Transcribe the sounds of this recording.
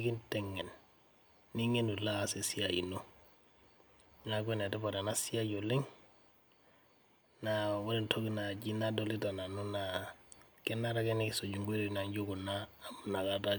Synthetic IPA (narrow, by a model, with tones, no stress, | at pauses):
ki˦ntɛ˦ŋːe˨nː | i˦ŋe˦nu˨la˦˨se˨si˦a˨ḭ˨no˦ | na˨ɡwe˦ne˨de˦ba˨ɾa˨na˦si˦a˦ɟo˨li˦ŋ | na˨wo˦ɾi˦ntʰo˦ɡi˦na˨ɟi˦na˦do˨li˦ta˨na˨nu˦na˨ | ke˦nːa˦ɾa˦ke˦ni˦i˨so˨d͡ʒu˨ŋɡe˦ɾe˨˦na˨ɲɟo˦ɡu˨na˦m˨na˨ka˨da˦